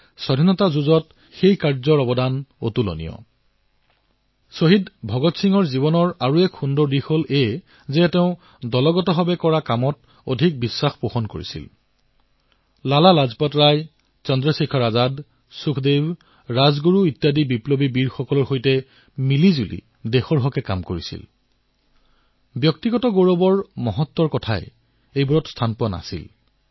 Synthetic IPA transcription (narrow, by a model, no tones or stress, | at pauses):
sɔdʱinɔtazuzɔt | xejkaɹzɔɹɔbɔdano̰tulo̰nḭjɔ̰ | soɦidbʱɔɡɔtsʰiŋɔɹziβɔnɔɹaɹuɛkxundɔɹdixole | zɛtɛʊ̃ | dɔlɔɡɔtɔɦɔbɛkɔɹakamɔt | o̰dʱik̚bisːaxpoxɔnko̰ɹḭsḭl | lalalazpɔtɹaj | t͡ʃɔndɹɔsikʰɔɹazad | sukʰdeb | ɹazɡuɹuitjadibiplɔbibiɹxɔkɔlɔɹxojtɛ | milizulḭ | dexɔɹɦɔkɛkamkoɹisḭl | bjɔk̚tiɡɔtɔɡoɹɔbɔɹmɔɦɔtːɔɹkɔtʰaɛ̰ | ejbɔɹɔtstʰanpɔna̰sḭl